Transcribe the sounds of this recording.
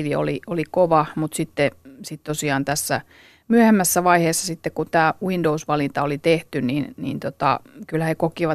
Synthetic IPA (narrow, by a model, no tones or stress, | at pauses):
ʋio̰liolikoʋɑmut̪sit̪ːesit̪t̪osiɑːnt̪æsːæ̰ | myøhemːæsːæʋɑiheːsːɑsit̪ːekkunt̪æːwindousʋɑlint̪ɑolit̪eht̪yninnḭːnt̪ot̪ɑ̰kylhæhekokiʋɑ